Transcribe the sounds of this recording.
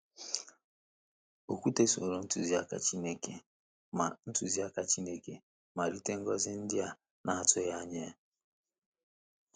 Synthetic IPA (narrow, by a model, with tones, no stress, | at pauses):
o˨kʷu˦te˦so̰˨ɾo˨n̩˦tu˨zi˦a˦ka̰˦t͡ʃi˦ne˦ke˦ | ma˨n̩˦tu˨zi˦a˦ka˦t͡ʃi˦ne˦ke˦ | ma˨ɾi˦te˦ŋ̩˦ɡɔ˦zɪ˦n̩˦dɪ˦a˨ | na˨a˨tʊ˦ja˦ɲe˦